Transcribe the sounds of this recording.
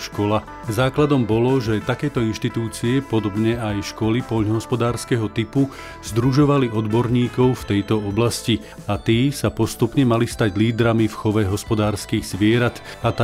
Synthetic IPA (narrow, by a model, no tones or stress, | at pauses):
ʃkɔla | zaːklad̪ɔmbɔlɔʒɛt̪akɛjt̪ɔinʃt̪it̪uːt͡siɛpɔd̪ɔbɲɛajʃkɔlipɔʎnɔɦɔspɔd̪aːɾskɛɦɔt̪ipu | zd̪ɾuʒɔʋaliɔd̪bɔɾɲiːkɔʊft̪ɛjt̪ɔɔblasci | at̪iːsapɔst̪upɲɛmalist̪aɟliːd̪ɾamifxɔʋɛɦɔspɔd̪aːɾskiːɣzʋɪɛɾat̪ | at̪